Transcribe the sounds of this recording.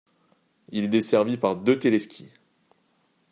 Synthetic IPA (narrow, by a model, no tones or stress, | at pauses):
ilɛd̪esɛʁvipaʁd̪øt̪elɛskʲʰi